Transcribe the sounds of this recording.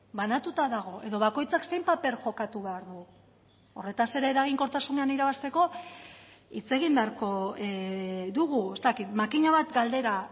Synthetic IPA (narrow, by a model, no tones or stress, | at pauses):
banat̪ut̪aðaɣ̞o̞ʔe̞ðo̞β̞ako̞jt͡sakse̞jmpape̞ɾʝo̞kat̪uβe̞aɾðu | o̞re̞t̪ase̞ɾeeːɾaɣ̞iŋko̞ɾt̪asune̞aniɾaβast̪e̞ko̞ | it͡se̞ɣimbe̞aɾko̞ | ðuɣ̞ue̞st̪akit̪makiɲaβat̪ɡald̪e̞ɾa